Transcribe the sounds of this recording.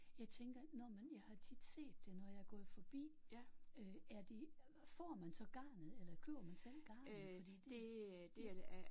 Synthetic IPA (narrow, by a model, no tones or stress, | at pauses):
jɑ̈ɪt͡sʰeŋɡ̥ɐnɒmenjɑ̈ɪhɑ̈t͡sʰid̥se̝̰ːd̥ːe̝nɒjɑ̈ɪɡ̥ɒ̰fɒ̽b̥ḭː | øæɐd̥e | fɒ̰ːmænsɒ̽ɡ̥ɑ̈ːnð̩ˠelɐkʰø̰ːɐmænsenɡ̥ɑ̈ːnəfɒ̽d̥iḭːd̥eed̥e